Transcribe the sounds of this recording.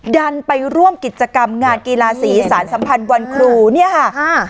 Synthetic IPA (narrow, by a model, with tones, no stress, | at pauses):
da˧npa˧jɾu˥˩əmki˨˩t̪̚t͡ɕa˧ka˧mŋaː˧nki˧laː˧siː˩˦saː˩˦nsa˩˦mpʰa˧nwa˧nkʰɾuː˧ni˥˩ɐkʰa˥˩˧